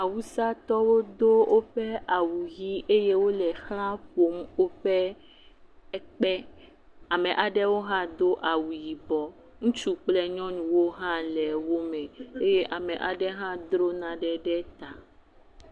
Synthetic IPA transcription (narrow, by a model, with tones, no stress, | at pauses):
a˨wu˦sa˦t̪ɔ˦wo˦d̪o˦wʔo˦ɸɛ˦a˨wu˨ji˦ʔe˦je˦wo˦lɛ˨xl̃ã˦ɸo˨˦mwo˦ɸɛ˦ | ɛ˦k͡pɛ˦ | a˨mɛ̃˨ʔa˨ɖɛ˦wo˦ɦã˦d̪o˦ʔa˨wu˨ji˨bɔ˨ | ŋũ˦t͡ʃu˦k͡plɛ˦ɲɔ̃˦nũ˨wo˦ɦã˦lɛ˨wo˦mɛ̃˨e˦je˦ʔa˨mɛ̃˨ʔa˨ɖɛ˦ɦã˦d̪ɾo˦nã˨ɖɛ˦ɖɛ˦t̪a˨